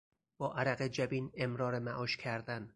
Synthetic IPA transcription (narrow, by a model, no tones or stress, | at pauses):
b̥ɒːʔæɾæɣed͡ʒæbiːnemɾɒːɾemæʔɒːʃcʲʰæɾd̪æn